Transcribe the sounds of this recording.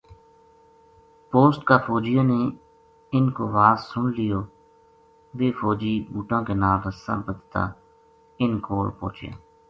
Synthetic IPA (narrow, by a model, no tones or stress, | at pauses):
poːsʈkaːfʰoːd͡ʒɪjãːneː | ɪnkoːʋaːzsʊɳlɪjoː | ʋeːfoːd͡ʒiːbuːʈãːkeːnaːləsã̰ːbəd̪t̪a̰ː | ɪnkoːɾpo̰ːt͡ʃɪja̰ː